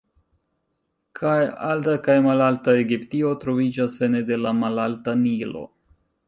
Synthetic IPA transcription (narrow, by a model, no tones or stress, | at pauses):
kʰaja̰ltakajmalaltae̞ɡiptio̞tɾo̞vid͡ʒasenede̞lamalaltanilo̞̰